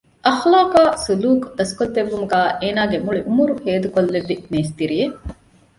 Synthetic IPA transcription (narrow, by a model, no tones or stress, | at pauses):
ʔɐxlaːkaːsuluːkd̪ɐskot̪ːeʋːumuɡæːʔeːnaːɡemuɭiʔumuɾuheːd̪ukolːeʋːineːst̪iɾije